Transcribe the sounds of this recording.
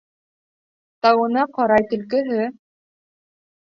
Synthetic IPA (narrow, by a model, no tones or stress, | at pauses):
t̪ɑwɤ̆nɑqɑɾɑjt̪ɵ̆lk̬ɘ̆ɦɘ